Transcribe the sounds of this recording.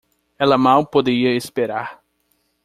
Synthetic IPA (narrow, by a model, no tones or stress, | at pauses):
ɛlɐmawpod̪eɾiɐespeɾaɾ